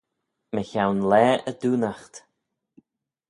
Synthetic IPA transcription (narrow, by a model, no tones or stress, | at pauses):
məçawnlɛːʔəd̪uːnaxt̪